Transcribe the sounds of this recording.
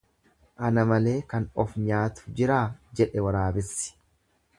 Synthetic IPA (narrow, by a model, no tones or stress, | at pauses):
ʔɐnɐmɐle̞ːkɐnɔfɲaːt̪ʊ̥d͡ʒɪɾaːd͡ʒɛᶑɛwɐɾaːbɪsːɪ̥